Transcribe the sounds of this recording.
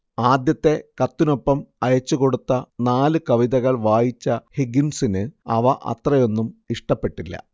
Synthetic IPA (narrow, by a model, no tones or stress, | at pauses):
aːd̪jɐt̪ːe̞kɐt̪ːino̞pːɐmɐjɐt͡ɕːuko̞ɽut̪ːɐnaːlɨkɐʋiðɐɣɐɭʋaːjit͡ɕːɐhiɡinsinɨɐʋɐʔɐ̰t̪rɐjo̞nːumiʂʈɐpːe̞ʈːilːɐ̰